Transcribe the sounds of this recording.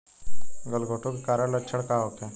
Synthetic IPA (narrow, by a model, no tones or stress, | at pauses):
ɡəlɡʱoʈʰokekaɾəɽlət͡ʃʰəɽkaɦot̪e